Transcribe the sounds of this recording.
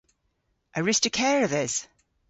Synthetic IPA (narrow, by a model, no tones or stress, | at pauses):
ʔəɹɪstəkʰɛːɹəðɪz̥